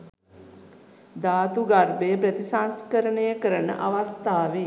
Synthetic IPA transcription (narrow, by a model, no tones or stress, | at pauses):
d̪aːt̪uɡarbəjəpɾət̪isanskəɾəɳejəkəɾənə̰ʔaʋast̪aːʋe